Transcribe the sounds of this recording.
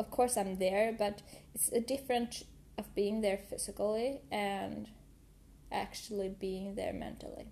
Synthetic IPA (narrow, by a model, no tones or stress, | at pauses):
ʌv̥kʰɔɹsãɪ̃mðə˞bʌɾɨtsɨdɪfɹɨ̃ns | ʌvbiɪ̃ŋðə˞fɪz̥ɨkl̩ˠiɨ̃n | ʔæk̚t͡ʃul̩ˠibiɪ̃ŋðə̰˞mɛ̰̃ntʰl̩ˠḭ